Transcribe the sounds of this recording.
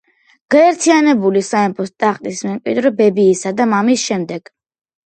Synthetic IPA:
ɡ̥aɛɾt̪ʰianɛbulisaɛmpʰɔst̪ʼaχt̪ʼismɛmkʼid̪ɾɔbɛbiːsad̪amamisʃɛmd̪ɛɡ̥

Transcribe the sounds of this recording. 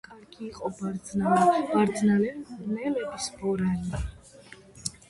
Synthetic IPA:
kʼaɾɡiːqʼɔbaɾd̪znalɛbaɾd̪znalɛnɛlɛbisbɔɾali

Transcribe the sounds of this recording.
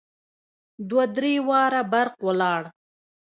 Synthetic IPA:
d̪wad̪ɾewɑɾabaɾqwəlɑɽ

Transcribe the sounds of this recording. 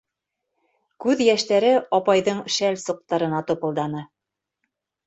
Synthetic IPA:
kʉðjæʃt̪æɾɘɑpɑjðɤɴʃælsuq̚t̪ɑɾɤ̆nɑt̪ŏpɤ̆lˠd̪ɑnɤ

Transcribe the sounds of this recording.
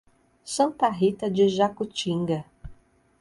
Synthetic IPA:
sɐ̃nt̪ɐɦit̪ɐd͡ʒɪʒakut͡ʃĩŋɡɐ

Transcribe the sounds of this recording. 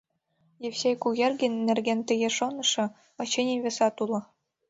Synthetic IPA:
jewsʲejkuɣʲerɣɘ̆nʲːĕrɣent̪ɘ̆jeʃonɤ̆ʃɤ̆ | ɤ̆t͡ɕenʲiβĕsɑt̪ulɤ̆

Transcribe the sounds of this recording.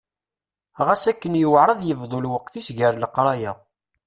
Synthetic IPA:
ʁæsækːənjəwʕɾˤɑðˤjəvðˤolwəqθisʝəɾləqɾˤɑjæ

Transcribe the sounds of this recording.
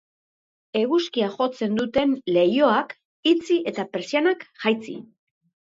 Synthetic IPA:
e̞ɣuskiaʝo̞t͡se̞nd̪ut̪e̞nle̞jo̞ak | it͡siʔe̞t̪apeɾsianakʝajt͡sḭ

